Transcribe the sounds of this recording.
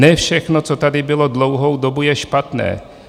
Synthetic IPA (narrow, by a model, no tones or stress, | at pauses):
ɛfʃɛxnot͡sot̪adɪbɪlo̞dlo̞wɦo̞wdobujɛʃpat̪nɛ̰ː